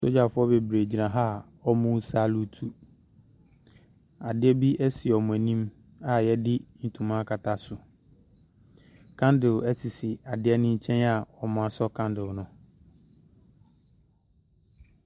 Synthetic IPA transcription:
so˦d͡ʑa˨fʊ˦ɔ˦be˨bɾe˨d͡ʑi˨nã˨ɦa˦˨ | ɔ˦mũ˦sa˦lu˦tʰu˦ | a˨dɪ˦ɛ˦bi˦ʔæ˦si˨ɔ˨mʊ̃˨æ˨nĩ˦m | a˨jɛ˦dɪ˦n̩˨tʰũ˨mã˦kʰa˨tʰa˨sʊ˨ | kʰã˦ndɪ˨læ˦si˨sɪ˨a˨dɪ˦ɛ˦nɪ̃˦ɲ̩˦t͡ɕʰɛ̃˦na˨ɔ˨mʊ̃˦a˨sɔ˦kʰã˦ndɪ˨lnʊ̃˨

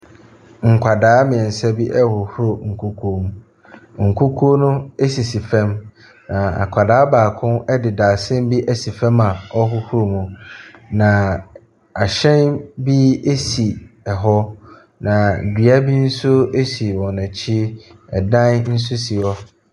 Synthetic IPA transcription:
ŋ̩˨kʷʰa˨daː˦mɪ̃˨ɛ̃˨n̩˨sɛ˦bi˦ʔɛ˦hʊ˨hu˦ɾo˨ŋ̩˨kʰu˦kʰu˦o˦mũ˦ | ŋ̩˨kʰu˦kʰu˦o˦nʊ̃˦e˦si˨si˨fɛ̃˦m | nã˨a̰˨kʷʰa˨daː˨˦baː˨kʰʊ̃˦nɛ˦dɪ˨daː˨sɪ̃˦m˦bi˦ʔæ˨si˨fɛ̃˦ma˨ɔ˦ɦʊ˦hu˦ɾo˨mũ˨nã˨ | a˨ɕɛ̃˦nbi˦e˦si˨ɛ˨ɦɔ˦ | nã˨dɥa˦bi˦n̩˦sʊ˦e˦si˨wɔ̃˨nã˨t͡ɕʰi˦ɛ̰˨dã˦nn̩˦s̬ʊ˦si˨ɔ˦

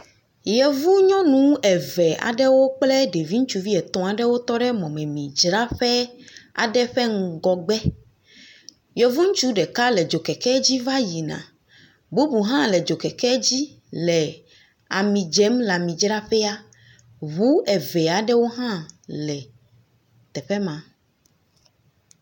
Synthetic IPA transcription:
jɛ˨vu˦ɲɔ̃˦nũ˨˦ɛ˨vɛ˨a̰˨ɖɛ˦wo˦k͡plɛ˦ɖe˨vi˦ŋ̩̃˦t͡ʃu˦vi˦ɛ˨t̪ɔ̃˨a˨ɖɛ˦wo˦t̪ɔ˦ɖɛ˦mɔ̃˨mɛ̃˨mĩ˨d͡ʒɾa˦ɸɛ˦a̰˨ɖɛ˦ɸɛ˦ŋ̩˨ɡɔ˨ɡ͡bɛ˦ | jɛ˨vu˦ŋ̩˦t͡ʃu˦ɖɛ˨ka˦lɛ˨d͡ʒo˨kɛ˨kɛ˦d͡ʑi˦va˦ji˨nã̰˨ | bu˦bu˨ɦã˦lɛ˨d͡ʒo˨kɛ˨kɛ˦d͡ʑi˦ | lɛ˨ | a˨mĩ˨d͡ʒɛ˨˦mla˨mĩ˨d͡ʒɾa˦ɸɛ˦a˦ | βu˦ɛ˨vɛ˨a˨ɖɛ˦wo˦ɦã˦lɛ˨ | t̪ɛ˨ɸɛ˦mã˨

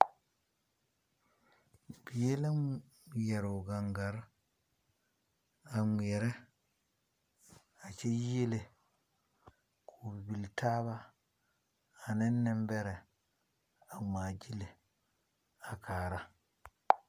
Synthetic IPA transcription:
bi˨je˦la˦m˨ | ja˨ɾo˨ɡa˨ŋɡa˨ɾ | a˨m˨ɛ˨ɾɛ˦ | a˨t͡ʃe˦je˦le˨ | kʰu˨bi˨bi˨lta˦βa˦˨ | nɛ˦nːɛ˦mbɛ˦ɾɛ˨ | a˨ma˨d͡ʒi˦le˨ | a˨kaː˨ɾa˦

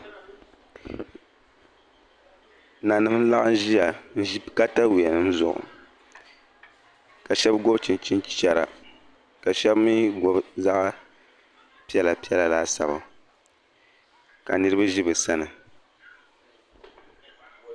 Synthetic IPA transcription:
na˨nɨ˦m˦n̩˦la˦ʔa˦n˦ʒi˦ja˨n̩˦ʒi˦ka˦ta˦wi˨ɛ˨nɨ˨n̩˦zʊ̰˨ʔʊ̰˨ | ka˨ʃɛ˦bɡo˦bt͡ʃi˨nt͡ʃi˦nt͡ʃt͡ʃɛ˦ɾa̰˨ | ka˨ʃɛ˦bmi˦ɡo˦bza˦ʔ | pi˦ɛ˦la˨pi˦ɛ˦la˨laː˦sa̰˨ba˨ | ka̰˨nɨ˦ɾɨ˦ba˦ʒi˦bɨ˨sa˦nɨ˨

